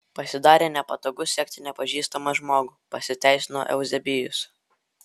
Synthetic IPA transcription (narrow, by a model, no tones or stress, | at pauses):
pɐsʲɪd̪ɑːɾʲeːnʲɛpɐt̪oːɡʊsʲiɛkʲt̪ʲɪnʲɛpɐʒʲiːst̪ɐmɐʒmoːɡʊːpɐsʲɪt̪ʲæˑɪsʲɪno̰ːʔɛ̰ʊzʲɛbʲɪjʊs